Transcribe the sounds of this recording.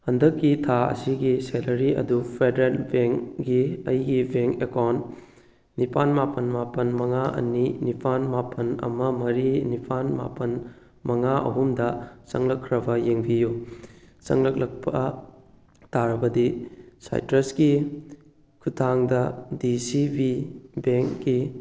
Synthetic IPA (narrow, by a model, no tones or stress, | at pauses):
hɐndɐkːitʰaɐ̰siɡiselɐɾiɐ̰dupʰedeɾelbeŋɡiɐjɡibʱeŋekawnt | nipʰanmapɐnmapɐnmɐŋaɐ̰ninipʰanmapʰɐnɐ̰mɐmɐɾinipʰanma̰pɐn | mɐŋaʔɐ̰ɦumdɐsɐŋlɐkʰːɾɐbɐjeŋbiju | sɐ̰ŋlɐk̚lɐk̚pʰɐ | taɾɐbɐdisa̰jtɾɐsɡi | kʰutʰaŋdɐdisibibeŋkɡi